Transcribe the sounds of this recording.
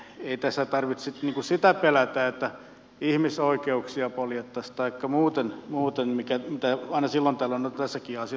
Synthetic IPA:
eit̪æsːæt̪ɑrʋit̪ssit̪niːŋkusit̪æpelæt̪æːet̪ːæ | ihmisoikeuksiɑpoljet̪ːɑst̪ɑikːɑmuːt̪enmuːt̪enmikæmit̪æɑˑinɑsilːont̪æːlːonot̪æsːækiːɑsiɑ

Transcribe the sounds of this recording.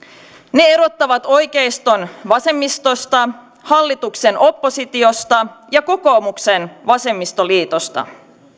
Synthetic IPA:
ne̞e̞ɾo̞t̪ːɑʋɑt̪o̞jke̞jst̪o̞nʋɑse̞mːist̪o̞st̪ɑ | hɑlːit̪ukse̞nʔo̞pːo̞sit̪io̞st̪ɑjɑko̞ko̞ːmukse̞nʋɑse̞mːist̪o̞liːt̪o̞st̪ɑ̰

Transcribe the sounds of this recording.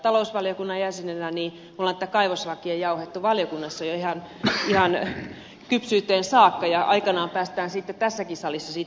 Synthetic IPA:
t̪ɑlousʋɑljokunːɑjjæsenelæniː | mulːɑnĕt̪ːækɑiʋoslɑkːiejɑuhet̪ːuʋɑljokunːɑsːɑjoihɑn | ihɑn | kypsyːt̪ːˑeːnsɑːkːɑjɑʔɑ̰ikɑnɑːmpæːst̪æːnsit̪ːett̪æsːækisɑlisːɑsiːt̪

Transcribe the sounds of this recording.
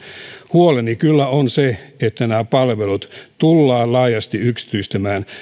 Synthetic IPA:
huolenikylːæonseet̪ːænæːpɑlʋelut̪t̪ulːɑːllɑːjɑst̪iyksi̥t̪yist̪æmæːn

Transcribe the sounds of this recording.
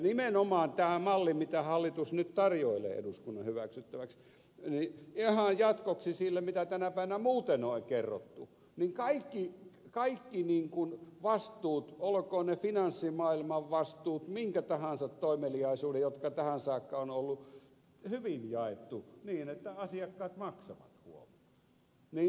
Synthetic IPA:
nimenomɑːnt̪æːmɑlːimit̪æhɑlːit̪usnyt̪t̪ɑrjoelḛːʔḛduskunːɑhyʋæksyt̪ːæʋæks | niihɑjjɑt̪koksisilːæmit̪æt̪ænæpæˑiʋænæmuːt̪enoekerːo̰t̪ːu | niŋkɑikːikɑikːiniːŋkunʋɑst̪ˑuːt̪olkoːnefinɑnsːimɑːˑilmɑʋʋɑst̪uːt̪miŋkæt̪ɑhɑnsɑt̪toˑimeliɑˑisuːdejot̪kɑt̪æhænsɑːkːɑonolːu | hyʋinjɑˑet̪ːuniːnet̪ːæɑsiɑkːɑːt̪mɑksɑʋɑ̰t̪hṵolɑ | niː

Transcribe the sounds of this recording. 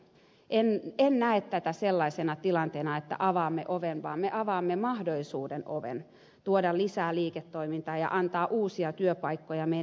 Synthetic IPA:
ʔenennæet̪t̪ːæt̪æselːɑisenɑt̪ilɑnt̪eːnɑet̪ːæ̰ʔɑʋɑːmːeʔoʋenʋɑːmmeʔɑʋɑːmːemɑhdolisuːdenʔo̰ʋḛn | t̪uodɑlisæːliːket̪ːoimint̪ɑːjɑ̰ʔɑnt̪ɑːʔuːsiɑt̪yøpɑikːojɑme

